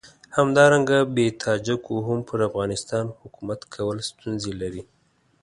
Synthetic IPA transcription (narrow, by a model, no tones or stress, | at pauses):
hamd̪ɑɾaŋɡabet̪ʰɑd͡ʒakoɦʊmpʰəɾafɣɑnɪst̪ɑnhʊkumat̪kʰawəlst̪unzelaɾi